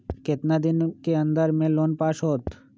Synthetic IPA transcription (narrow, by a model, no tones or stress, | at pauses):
ket̪nad̪inkeənd̪aɾmelonpaʃot̪